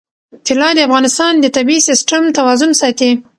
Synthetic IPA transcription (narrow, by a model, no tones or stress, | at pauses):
t̪ɪlɑd̪əafɣɑnɪst̪ɑnd̪ət̪abiisɪsʈamt̪awɑzʊnsɑt̪i